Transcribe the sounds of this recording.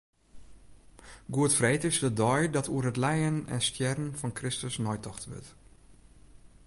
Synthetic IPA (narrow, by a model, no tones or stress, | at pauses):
ɡuətfreːtɪsdədɔjdɔtʰuərɦətlɛjənɛ̰nstjɛrən̩fɔnkrɪstəsnɔjtɔxtʋø̰t